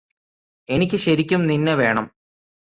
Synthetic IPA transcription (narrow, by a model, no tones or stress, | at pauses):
e̞nikʲːɨɕɐɾikʲːumninːeʋe̞ːɳɐm